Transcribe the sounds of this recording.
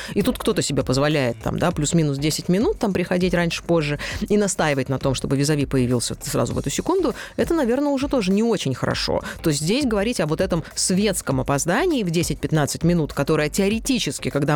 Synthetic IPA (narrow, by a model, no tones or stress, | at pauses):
it̪ut̪̚kt̪o̞t̪əsʲɪbʲepəzvɐlʲæjɪt̪ːa̰md̪aplʲusmʲinʊsdʲesʲɪtʲmʲɪnut̪ːampɾʲɪxɐdʲetʲɾanʲʂɨ̥po̞ʐːɨinɐst̪ajɪvətʲnɐt̪o̞mʂt̪o̞bɨvʲɪzɐvʲipəjɪvʲilˠsʲəsɾa̰zʊ̰vɛ̰t̪ʊsʲɪkund̪ʊɛt̪ənɐvʲe̞rnəʊʐɛt̪o̞ʐɨnʲɪo̞t͡ɕɪnʲxəɾɐ̰ʂo̰t̪ost̪ʲzʲdʲesʲɡəvɐɾʲitʲɐvo̞t̪ɛt̪əmsvʲe̞t̪skəmɐpɐzd̪anʲɪːvdʲesʲɪt̚ʲpʲɪt̪nat̪sɨtʲmʲɪnut̪kɐt̪o̞ɾəjətʲɪɐɾʲɪtʲit͡ɕɪskʲɪkɐɡd̪a